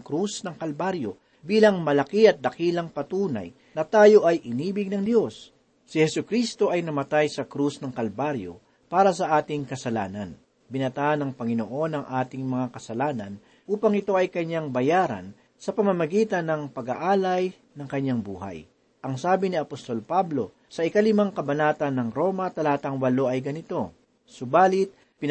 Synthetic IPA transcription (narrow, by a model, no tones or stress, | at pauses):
kɾusnɐŋkɐlbaɾjo̞ | biːlɐŋmɐlɐkiɐt̪̚d̪ɐkiːlɐŋpɐt̪uːnɐ̰j | nɐt̪aːjo̞ʔɐjʔɪniːbɪɡ̚nɐŋd̪jo̞s | sɪhɛsʊkɾist̪o̞ʔɐjnɐmɐt̪ajsɐkɾusnɐŋkɐlbaɾjo̞̰ | paːɾɐsɐʔaːt̪ɪŋkɐsɐla̰ːnɐn | bɪnɐt̪anɐŋpɐŋɪno̞ʔo̞nɐŋʔaːt̪ɪŋmɐŋakɐsɐlaːnɐ̰n | ʔuːpɐŋɪt̪o̞ɐjkɐɲːaŋbɐjaːɾɐ̰n | sɐpɐmɐmɐɡiːt̪ɐnːɐŋpɐɡɐʔaːlɐj | nɐŋkɐɲːaŋbuːɦɐ̰j | ʔɐŋsaːbɪniɐpost̪o̞lpablo̞ | sɐʔɪkɐlɪmaŋkɐbɐnaːt̪ɐnːɐŋɾo̞ːmɐt̪ɐlaːt̪ɐŋwɐlo̞ʔɐjɡɐnɪt̪o̞ | sʊbaːlɪt̪̚ | pɪn